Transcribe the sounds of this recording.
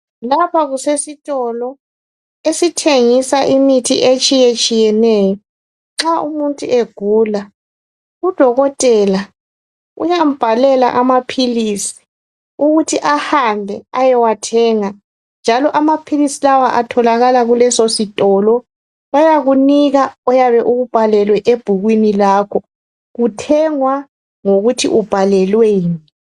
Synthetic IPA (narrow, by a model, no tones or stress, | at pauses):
lapʰaɣusesitʼɔlɔ | esitʰeŋisaʔimitʰḭʔet͡ʃʼijet͡ʃʼijɛnɛːjɔ | ŋ͡ǁaṵmuntʼuʔeɡ̥ʱuːla | ud̥ʱɔɣɔtʼɛla | ṵjam̩b̥ʱalɛla̰ʔamapʰilisi̥ | uɣutʰiʔahambʱɛajɛwatʰɛːŋa | nd͡ʒʱalɔʔamapʰilisilawaʔatʰɔlaɣalaɣulɛsositʼɔlɔ | βajaɣuniɣaɔjaβɛʔuɣub̥ʱalɛlwɛʔeb̥ʱuɣwinilaːkʰɔ | ɣutʰɛŋwa | ŋoɣutʰḭʔub̥ʱalɛlweːni